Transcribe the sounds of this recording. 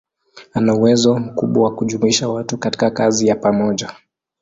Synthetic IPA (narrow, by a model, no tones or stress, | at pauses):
anauwɛzɔm̩kuɓwawakuʄumuiʃawatukati̥kakazijapamɔʄa